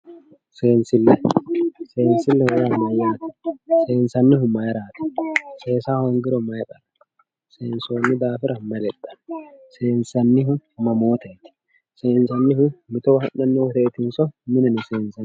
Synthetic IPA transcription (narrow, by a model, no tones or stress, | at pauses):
se̞ːnsɪlːɛse̞ːnsɪlːɛhʊɾaːmɐjaːt̪ɪ̥se̞ːnsɐnːɪhʊmɐjɾaːt̪ɪ̥se̞ːsaːhɔŋɡɪɾɔmɐjpʼɐɾɐ̥ | se̞ːnso̞ːnːɪd̪aːfɪɾɐmɐlɛt̪ʼːɐ̥nse̞ːnsɐnːɪɦʊmɐmoːt̪eːt̪ɪ̥ | se̞ːnsɐnːɪhʊmɪt̪ɔhɐnːɐnːɪwɔt̪eːt̪ɪnsɔmɪnɐnɪse̞ːnsɐ